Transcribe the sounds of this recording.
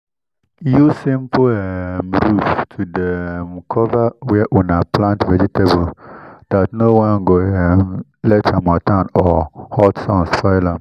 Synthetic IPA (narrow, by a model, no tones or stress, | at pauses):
jusĩmpʰʊɛmɾuftʰudɛmkʰɔvawɛɛʔunãplãntvɛd͡ʒitʰebold̥atnowãnɡoɛm | lɛt͡ʃamatʰãnɔhɔtsɔ̃nsfaɪlãm